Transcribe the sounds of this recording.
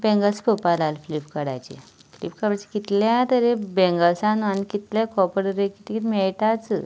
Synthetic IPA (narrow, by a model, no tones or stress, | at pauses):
bɛ̃ŋɡəspəpalalflipkəɽa̰jt͡ɕḛflḭp̚kəɽajt͡ɕe̥kit̪ljat̪əɾebɛ̃ŋɡəsãnanikit̪ljakɔpəɽəɾekit̪ikit̪imɛɭʈat͡s